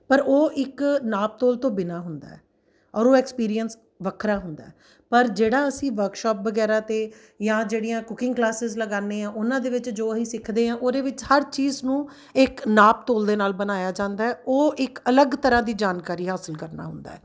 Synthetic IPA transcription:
pəɾoːʔɪknaːp̚t̪oːlt̪õːbɪnaːɦʊnd̪a̰ːɛ̰ː | ɔːɾoːɛkspiːɾijəns | ʋəkʰɾaːɦʊnd̪a̰ːɛː | pəɾd͡ʒeːɽaːəsĩːʋəɾkʃɔːp̚ʋəɡɛːɾaːt̪eː | jãːd͡ʒeːɽijãːkʊkɪ̃ŋɡklaːsɪzləɡaːnẽːãːʔʊnãːd̪eːʋɪt͡ʃd͡ʒoːəsĩːsɪkʰd̪eːãːʔoːd̪eːʋɪt͡ʃhəɾt͡ʃiːznũː | ɪknaːpt̪oːld̪eːnaːlbənaːjaːd͡ʒãːnd̪aːɛːʔoːɪkələɡt̪əɾãːd̪iːd͡ʒaːnkaːɾiːɦaːsəlkəɾna̰ːɦʊ̰nd̪a̰ːɛː

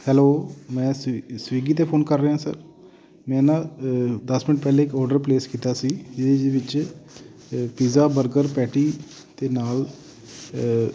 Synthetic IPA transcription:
hɛːloːmɛ̃ːssʋiːɡiːt̪eːpʰoːnkəɾːeːɦãːsə̰ɾ | mɛ̃ːnãːd̪əsmɪnəʈ̚pɛːleːɪkɔːɾɖəɾpleːskiːt̪aːsiːd͡ʒɪed͡ʒeʋɪt͡ʃ | piːzaːbəɾɡəɾpɛːʈiː | t̪eːnaːl

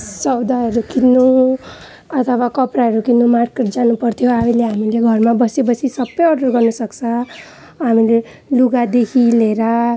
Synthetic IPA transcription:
sʌwd̪aʌɾukinːu | ʌt̪ʰʌwakʌpraɦʌɾukinːumarkeʈ̚d͡zanupʌrt̪ʰijoamileɦamileɡʱʌrmabʌsjebʌsisʌbːʌjʌrɖʌrɡʌrnʌsʌkt͡sʰʌ | ɦamile | luɡad̪ekʰileɾa

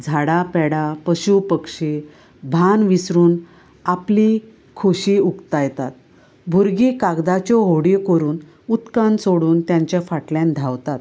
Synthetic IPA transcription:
d͡zʱaɽapɛɽapəɕupəkʂe | bʱanʋisɾuːn | apli | kʰoɕiːukt̪ajt̪at̪̚ | bʱuɾɡiːkaɡd̪at͡ɕɔɦoɽikəɾuːn | ut̪kansoɽuːnt̪jãɲt͡ɕjafaʈljãnd̪ʱawt̪at̪

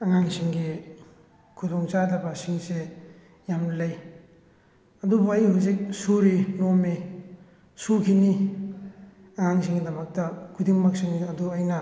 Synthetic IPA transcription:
ɐŋaŋsiŋɡi | kʰudoŋt͡ʃadɐbɐsiŋse | jamnɐlɐj | ɐdubuɐjhuzik̚suɾinomi | sukʰini | ɐŋaŋsiŋɡidɐmɐk̚tɐkʰudiŋmak̚siŋɐduɐjnɐ

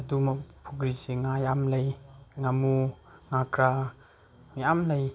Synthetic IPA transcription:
adumapʰuɡɾiseŋajamlɐjŋamu | ŋakɾa | ŋjamlaj

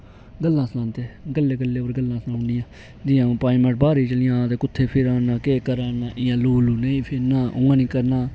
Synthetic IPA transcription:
ɡəlːãːslãːnt̪eːɡəlːeːɡəlːeːopəɾɡəlːãːsnãːnd̪ɪjãː | d̪ɪjãːpaːɪmə̃ʈ̚baːɾiːt͡ʃəlɪjãːt̪eːkʊt̪ʰːeːpʰɪɾaːnãːkeːkəɾaːnãːʔɪjãːloːluːnəĩːpʰɪɾnãːʔʊ̃ːãːnĩːkəɾnaː

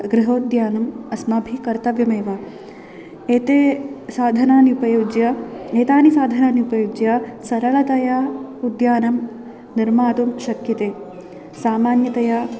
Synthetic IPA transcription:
ɡɾɪɦoːd̪jaːnɐmɐsmɐbʱikɐɾt̪ɐʋjɐmeːʋɐ | eːt̪esaːd̪ʱɐnaːniupɐjoːd͡ʒjɐeːt̪aːnisaːd̪ʱɐnaːniupɐjoːd͡ʒjɐsɐɾɐɭɐt̪ɐjaud̪jaːnɐm | niɾmaːt̪umʃɐkjɐt̪eː | saːmaːnjɐt̪ɐja

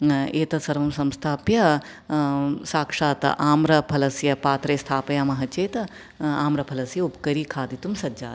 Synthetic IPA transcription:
eːt̪ɐsɐɾʋɐmsɐmst̪ʰaːpjɐ | saːkʂaːt̪ɐ̰ʔaːmɾɐpʰɐlɐsjɐpaːt̪ɾeːst̪ʰaːpɐjaːmɐɦɐt͡ʃeːt̪ɐ | aːmɾɐpʰɐlɐsjɐupkɐɾiːkʰaːd̪it̪umsɐd͡ʒa̰ːt̪

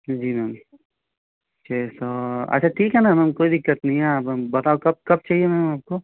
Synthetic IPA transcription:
d͡ʒiːmɛm | tt͡ʃʰasoɐ̰tːʃʰaʈʰiːkɦɛnamɛmkoːid̪ɪkːət̪nɐɦĩɦɛaːpbɐt̪aːokɐb̚kɐb̚t͡ʃaːɦiemɛ̃ːaːp̚ko

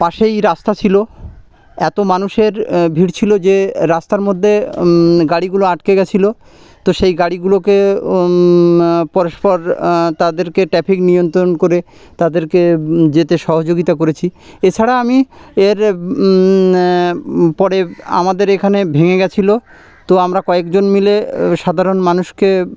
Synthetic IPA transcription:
paʃejɾast̪at͡ɕʰilo | ɛt̪omanuʃeɾbʱiɾt͡ɕʰilod͡ʑeɾast̪aɾmod̪ʱːeɡaɽiɡuloaʈkeɡɛt͡ɕʰilo | t̪oʃejɡaɽiɡuloke | pɔɾoʃpɔɾt̪ad̪eɾkeʈɾɛpʰiknijont̪ɾonkoɾe | t̪ad̪eɾked͡ʑet̪eʃɔɦod͡ʑoɡit̪akoɾet͡ɕʰiet͡ɕʰaɽaamieɾ | pɔɾea̰mad̪eɾekʰanebʱeŋeɡɛt͡ɕʰilo | t̪oamɾakɔekd͡ʑonmileʃad̪ʱaɾonmanuʃke

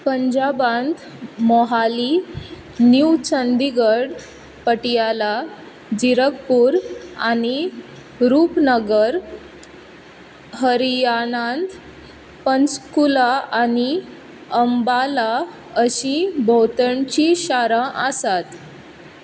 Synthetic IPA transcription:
pəɲd͡ʑabãnt̪ | mɔɦali | nuwt͡ɕənd̪iɡəɽ | pəʈijala | d͡ʑiɾəkpuːɾañi | ɾuːpnəɡəɾ | ɦəɾijanand̪ | pənskulaani | əmbala | əɕĩbʱɔwt̪əɳt͡ɕiɕaɾãʔəsat̪

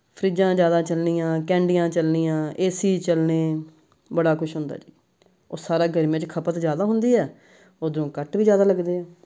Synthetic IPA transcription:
pʰɾiːd͡ʒãːd͡ʒjaːd̪aːt͡ʃəlniːãːkɛ̃ːɳɖɪjãːt͡ʃəlniːãːʔeːsiːt͡ʃəlneː | bəɽaːkʊʃɦʊnd̪a̰ːd͡ʒiː | oːsaːɾaːɡəɾmẽt͡ʃkʰəpət̪d͡ʒjaːd̪aːɦʊnd̪iːɛː | oːd̪ənũːkəʈʋiːd͡ʒjaːd̪aːləɡd̪eːɛː

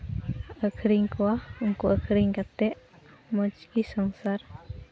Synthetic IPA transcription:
əkʰɾiŋkuaŋkuʔəkʰɾiŋkat̪ɛʔ | mɔd͡ʒkisɔŋsar

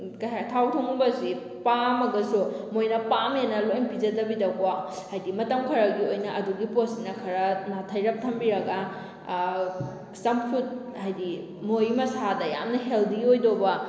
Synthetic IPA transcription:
kɐjhatʰawtʰuŋbɐsi | pamɐɡɐsumojnɐpamenɐlojmpid͡ʒɐdɐbidɐkwahajdimɐtɐmkʰɐɾɐɡiojnɐɐduɡiposinɐkʰɐɾɐnatʰɐjɾɐp̚tʰɐmbiɾɐɡɐ | sɐmpʰut̚ | hajdi | mojmɐsadɐja̰mnɐɦeldiojdobɐ

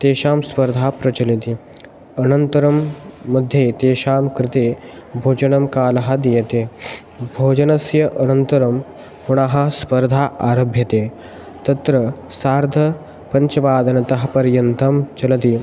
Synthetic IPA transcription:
t̪eːʃaːmspɐɾd̪ʱaːpɾɐt͡ʃɐlit̪i | ɐnɐnt̪ɐɾɐmːɐd̪ʱːjeːt̪eːʃaːmkɾɪt̪eːbʱoːd͡ʒɐɳɐmkaːlɐɦɐ̆d̪ijɐt̪eː | bʱoːd͡ʒɐnɐsjɐʔɐnɐnt̪ɐɾɐm | huɽ̃aɦɐ̆spɐɾd̪ʱaːʔaːɾɐbʱjɐt̪eː | t̪ɐt̪ɾɐsaːɾd̪ʱɐ | pɐɲt͡ʃɐʋaːd̪ɐnɐt̪ɐɦɐ̆pɐɾjɐnt̪ɐmt͡ʃɐlɐt̪i

